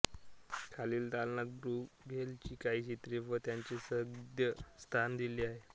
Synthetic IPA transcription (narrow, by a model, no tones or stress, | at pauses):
kʰaliːlt̪alnat̪̚bɾuːɡʱelt͡ɕiːkaiɕit̪ɾifət̪jaɲt͡ɕesəɡd̪jəst̪ʰand̪iliːaɦe